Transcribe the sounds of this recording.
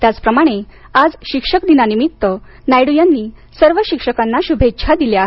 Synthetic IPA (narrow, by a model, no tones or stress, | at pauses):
t̪jat͡spɾəmaɽ̃ead͡zɕikʂəkd̪inanimit̪ːə | najɽujanːiːsəɾʋəɕikʂəkanːaɕubʱetːɕʰad̪iljaa